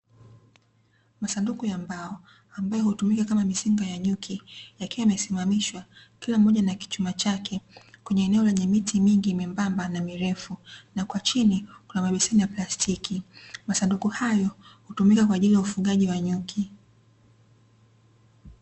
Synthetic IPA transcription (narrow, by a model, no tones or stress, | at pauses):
masandukujambaɔ | ambajɔhutumikakamamisiŋɡajaɲukʰijakiwaamɛsimamiʃwakilam̩ːɔʄanaki̥t͡ʃumat͡ʃakʰɛkwɛɲɛːnɛɔlɛɲɛmitimiŋɡimimbambanamiɾɛfunakwat͡ʃinikunamaɓisinijaplastʰikʰimasandukuhajɔhutumikakwaːʄilijaufuɠaʄiwaɲukʰi